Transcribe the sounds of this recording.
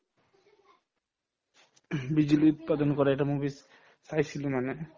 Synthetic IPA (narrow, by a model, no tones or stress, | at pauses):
bid͡ʑuliut̪̚pad̪onkɔɾaeʈamubis | sajsʰilomane